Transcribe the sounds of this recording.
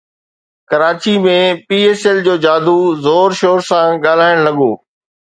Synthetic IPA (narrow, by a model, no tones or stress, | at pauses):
kɐɾaːt͡ɕimẽpiːeːsɛld͡ʑoːd͡ʑaːd̪ʱuzoːɾʃoːɾsãɠaːl̤aːɪɽ̃lɐɠoː